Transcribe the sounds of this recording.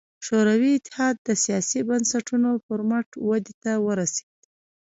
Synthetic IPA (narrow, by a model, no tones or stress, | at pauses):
ʃoɾawiɪt̪ːɪ̥hɑd̪̚ːəsijɑsibansaʈunopəɾmaʈwad̪et̪awəɾase̥ɡ̪̚